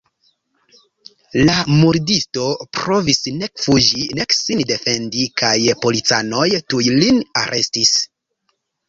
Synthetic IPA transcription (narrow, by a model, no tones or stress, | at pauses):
lamuɾdisto̞pɾo̞visne̞kfud͡ʒine̞ksinde̞fe̞ndikajpo̞lit͡sa̰no̞jtujlina̰ɾʔe̞stis